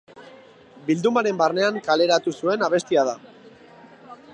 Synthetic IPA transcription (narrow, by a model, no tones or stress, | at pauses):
bild̪umaɾe̞mbarne̞aŋkale̞ɾat̪usue̞naβ̞e̞st̪iað̞a